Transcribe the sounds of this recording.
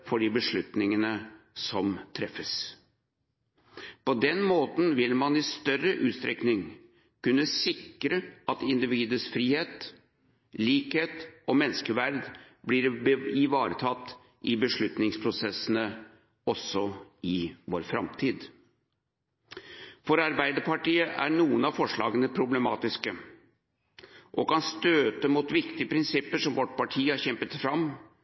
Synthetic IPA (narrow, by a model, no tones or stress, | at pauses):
fɔɖɪbəʂɭʉt̪nɪŋənəsɔmt̪ʰɾɛfːəs | pɔd̪ɛnmoːt̪n̩ʋɪlmɑnɪst̪œrəʔʉːt̪st̪ɾɛknɪŋ | kʉnːəsɪkɾəɑt̪ɪnd̪ɪʋiːd̪əsfɾiːheːt̪ | liːkheːt̪ɔmɛnːskəʋæɾd̪ | blɪɾɪʋɑːɾət̪ʰɑt̪ː | ʔɪbəʂɭʉt̪nɪŋspʰɾʊsɛsənə | ɔsːɔɪʋoːɾfɾɑ̰mt̪ʰiːd̪ | fɔɾɑɾbæɪd̪əɾpɑʈiːəʔæ̰ɳuːənɑfɔʂɭɑ̰ːɡənəpʰɾʊbləmɑːt̪ɪskə | ʔɔkɑnst̪øːt̪əmʊt̪ʋɪkt̪ɪəpʰɾɪnsɪpːəʂɔmʋɔʈpɑʈʰiːhɑɾçɛmpət̪fɾɑm